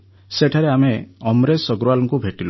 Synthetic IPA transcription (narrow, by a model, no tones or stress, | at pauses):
seʈʰaɾeameɔmɾesɔɡɾualɔŋkubʱeʈilo